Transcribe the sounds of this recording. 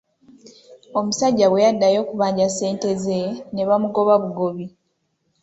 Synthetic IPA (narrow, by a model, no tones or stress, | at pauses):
o̞musaɟːaβwe̞jadːajo̞ːkuβaːɲɟase̞ːnte̞zene̞βamuɡo̞βaβuɡo̞βi